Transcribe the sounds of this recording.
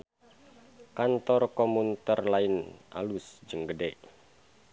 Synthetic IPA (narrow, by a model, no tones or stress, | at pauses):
kant̪ɔrkɔmunt̪ərlainʔa̰lusd͡ʒəŋɡədɛʔ